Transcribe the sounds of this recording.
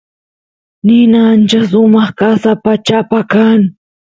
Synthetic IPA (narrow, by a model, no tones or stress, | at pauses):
nɪnaant͡ʃasʊmɑχkasapat͡ʃapakaŋ